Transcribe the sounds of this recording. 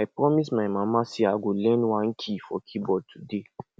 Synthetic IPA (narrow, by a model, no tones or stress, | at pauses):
ajpɹɔmismaɪmãmaseaɡolɛ̃nwãnkʰifɔkʰibɔd̚tʰude